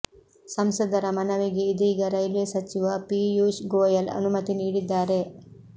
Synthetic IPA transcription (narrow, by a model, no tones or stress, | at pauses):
sɐmsɐd̪ɐɾɐmɐnɐʋiɡeid̪iːɡɐɾɐjlesɐt͡ʃiʋɐpiːjuːʃɡoːjɐlɐ̰numɐt̪iniːɽid̪ːaːɾe̞